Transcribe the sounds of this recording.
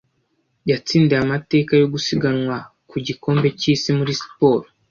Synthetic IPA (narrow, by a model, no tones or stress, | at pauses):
jat͡siːndeamate̞ːkajo̞ɡusiɡanwa | kuɟiko̞ːmbe̞ciːsimuɾisi̥po̞ːɾo